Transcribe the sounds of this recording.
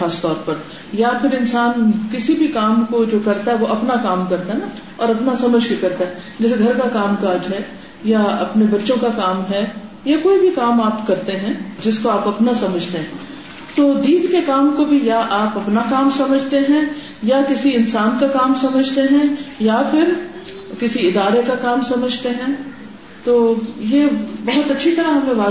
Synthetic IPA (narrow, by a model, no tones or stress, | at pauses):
aːst̪ɔːɾpɐɾ | japʰɪɾɪnsaːnkɪsibʱikaːmkod͡ʒoːkɐɾt̪aɦɛʋoʔɐpnakaːmkɐɾt̪aɦɛna | ɔːɾɐpnasɐməd͡ʒʱbʱikɐɾt̪aɦɛ | d͡ʒɛːs̬eɡʱɐɾkakaːmkaːd͡ʒɦɛ | jaɐpnebɐtːʃõkakaːmɦɛ | jekoːibʱikaːmaːpkɐɾt̪eɦɛ̃d͡ʒɪskoaːpɐpnasɐməd͡ʒʱt̪eɦɛ̃ | t̪oːd̪iːp̪kekaːmkobʱijaʔaːpɐpnakaːmsɐməd͡ʒʱt̪eɦɛ̃ | jakɪsiɪnsaːnkakaːmsɐməd͡ʒʱt̪eɦɛ̃japʰɪɾ | kɪsiɪd̪aːɾekakaːmsɐməd͡ʒʱt̪eɦɛ̃ | t̪oːjebɐɦʊt̪ɐtːʃʰit̪ɐɾaɦɐmẽʋaː